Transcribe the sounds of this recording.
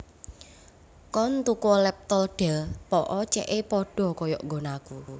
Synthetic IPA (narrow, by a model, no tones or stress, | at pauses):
kɔnt̪ukɔlɛp̚t̪ɔlɖ̥ɛ̤lpɔʔɔt͡ʃɛ̰ʔepɔɖ̥ɔ̤kɔjɔ̰ʔŋɡɔ̤naku